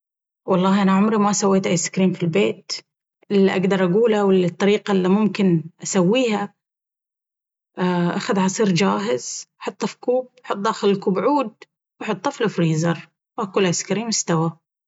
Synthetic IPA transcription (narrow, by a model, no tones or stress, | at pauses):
wɑlˤːɑːʔanaʕʊmɾimasawːeːt̪ʔajsɪ̥kɾiːmfilbeːt̪ | ʔɪlːiʔaɡd̪ɑɾˤʔaɡuːlawɪlt̪ˤːɑɾiːqalːimʊmkɪnʔasawːiːha | ʔaʔaxaðʕɑsˤiːɾd͡ʒaːɦɪzaħʊt̪ˤːɑfkuːb̚ħʊt̪̚ˤd̪aːxɪlɪlkuːbʕuːd̪̚ | waħʊt̪ˤːɑflɪfɾiːzɑɾˤ | wakuːlːʔajskaɾiːmɪst̪awa